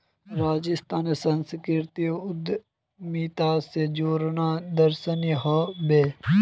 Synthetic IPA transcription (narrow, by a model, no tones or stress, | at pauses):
ɾaːd͡ʒɪst̪aːnesɐnskɾɪɾt̪ioʊd̪ | miːt̪aːsed͡ʒoːɾnaːd̪ɐɾsəniɦɐbeː